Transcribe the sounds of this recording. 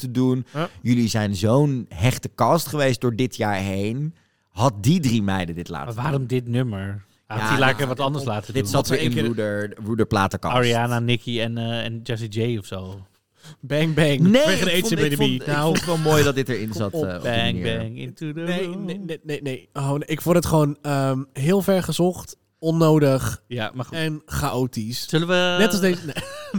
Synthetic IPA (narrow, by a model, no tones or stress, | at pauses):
tədunjɵlizɛjnzownɦɛχtəkɑstχəʋejst̚dʊːɹdɪtjaːɹɦejn | ɦɑt̚didrimɛjdədɪtla̰ːʋaːɾɔmdɪtnøməɹ | aailaːəʋɑtɑndəɹslaːtədɪtsɑtɪɪnudərudəɹplaːtəkɑ̰aɹiaːnanɪkiɛnɛnd͡ʒɛs̬id͡ʒejɔfsow | bɛŋbɛŋneʋeədəeəbedəbinaʋɛlˠmoːjdɔdɪtəɹɪnzɑtːənḭːɛŋɪ̰nejnenenenejonɪkʋɔdətχəʋoːnəmɦɪːlˠfɛɹχəzɔχt | ɔnowdəχjamaɛnχaʔoːtissøləʋənɛtɔssdesne